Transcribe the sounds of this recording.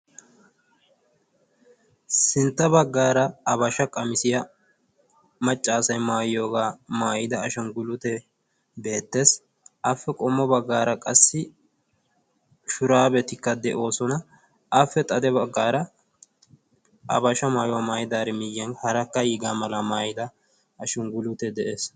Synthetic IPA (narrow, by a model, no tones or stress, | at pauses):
sɪnt̪ːɐbɐɡːaːɾɐɐβɐʃɐkʼɐmɪsɪjɐ | mɐt͡ʃʼːaːsɐjmaːjjo̞ːɡaːmaːjɪd̪ɐːʃɐnɡʊlʊt̪ɛ | be̞ːt̪ːe̞ːs | ʔɐfːɛkʼɔmːɔbɐɡːaːɾɐkʼɐsːɪ | ʃʊɾaːbɛt̪ɪkːɐd̪ɛʔo̞ːsɔnɐ | ʔɐfːɛt̪ʼɐd̪ɛbɐɡːaːɾɐ | ʔɐ̰bɐʃɐmaːjʊwɐmaːjɪd̪aːɾɛmɪjːɛnhɐɾɐkːɐjiːɡaːmɐlɐmaːjɪd̪ɐ | ɐʃɔnɡʊlʊt̪ɛd̪ɛʔeːs